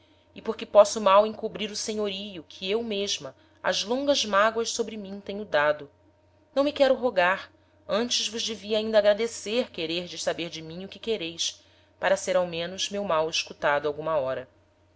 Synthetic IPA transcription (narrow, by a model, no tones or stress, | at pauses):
ɪpoɾkɪpɔsʊmawẽŋkubɾiɾʊseɲoɾijʊkʰiewmeʒmɐ | ɐ̰zlõŋɡɐzmaɡwɐʃsobɾɪmĩt̪ẽɲʊd̪ad̪ʊ | nɐ̃w̃mikɛɾʊɦoɡaɾ | ɐ̃nt͡ʃɪzvʊʒd͡ʒeviaĩnd̪ɐaɡɾad̪eseɾkeɾeɾd͡ʒɪʃsabeɾd͡ʒɪmĩɲʊkɪkeɾejʃ | paɾɐseɾawmẽnʊzmewmawiʃkut̪ad̪ʊawɡũmɐɔɾɐ